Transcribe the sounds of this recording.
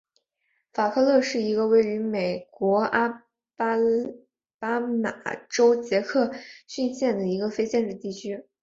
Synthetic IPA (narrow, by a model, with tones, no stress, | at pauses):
fa˨˩kʰɤ˥˧lɤ˥˧ʂɻ̩˥˩i˧˥ɡə˧we˥˩ɪy˧˥me˨˩ɪkwɔ˧˥a˥ | pa˥ | pa˥ma̰˨˩ʈ͡ʂo˥ʊt͡ɕjɛ˧˥kʰɤ˥˩ɕy˥˧nɕjɛ˥˩nd̪ə˩i˧˥ɡə˧fe˥ɪt͡ɕjɛ˥˧nʈ͡ʂɻ̩˥˧t̪i˥˩t͡ɕʰy˥